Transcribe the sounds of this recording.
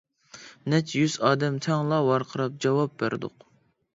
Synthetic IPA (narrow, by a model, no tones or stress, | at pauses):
nɛt͡ʃjyz̥ɑːd̪ɛmt̪ʰɛŋlˠɑwɑɾqʰəɾɑp̚d͡ʒɑwɑp̚bæɾd̪ʊ̰q